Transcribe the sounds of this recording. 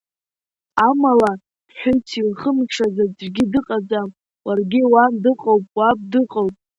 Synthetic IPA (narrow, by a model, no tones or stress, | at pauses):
amala | ħʊtʰilχəmʈ͡ʂʰazad͡zrɡʲɪdɨqʼad͡zam | warɡʲiwandɨqʼowpʼwap̚dɨqʼowpʼ